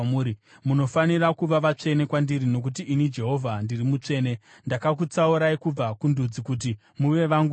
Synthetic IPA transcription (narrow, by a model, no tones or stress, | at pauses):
uːɾi | muno̞fanirakuʋaʋat͡ʂe̞ne̞kwandirino̞k̬ut̬iʔːnid͡ʒe̞ɦo̞vʱandirimut͡ʂe̞ːne̞ | ndakak̬ut͡sauɾaikub͡vakundud͡zikut̬i | muʋe̞ʋaŋɡ